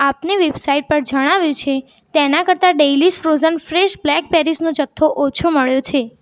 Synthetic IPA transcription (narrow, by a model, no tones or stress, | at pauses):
apneʋebsaiʈ̚pəɾd͡ʒəɽ̃aʋjũt͡ʃʰe | t̪enakəɾt̪aɖejlisfɾozənfɾeʃblɛk̚peɾisnõd͡ʒət̪ʰːoʔot͡ʃʰoməɭjot͡ʃʰe